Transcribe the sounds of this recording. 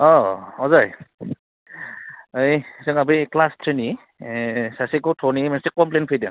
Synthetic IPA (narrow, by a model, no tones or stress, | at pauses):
ɔɔzaj | əjsɯŋabiklastʰɹeni | sasikɔtʰɔnimɛnsikːɔmplenpʰejdaŋ